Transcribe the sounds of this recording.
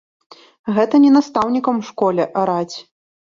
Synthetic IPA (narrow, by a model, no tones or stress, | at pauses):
ɣɛt̪ɐnʲɛnast̪awnʲikɐmʂkɔlʲɛʔaɾat͡sʲ